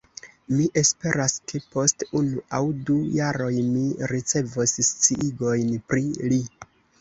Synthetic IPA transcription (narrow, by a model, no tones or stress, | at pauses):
miʔe̞spe̞ɾaske̞po̞stunuʔawdujaɾo̞jmiɾit͡se̞vosst͡siʔiɡo̞jnpɾili